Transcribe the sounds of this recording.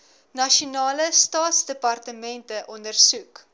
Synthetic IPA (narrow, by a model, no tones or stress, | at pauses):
nɐʃonɑːləstɑːtsdəpɐrtəmɛntəʔɔndərsuk